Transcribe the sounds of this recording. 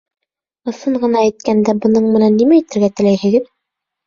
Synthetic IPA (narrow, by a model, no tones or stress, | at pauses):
ɤ̆sɤɴɢɤ̆nɑæjt̪̚kænd̪æbɤ̆nɤɴmɘ̆nænːimæit̪ɘ̆ɾɡæt̪ɘ̆læjhɘ̆ɡɘð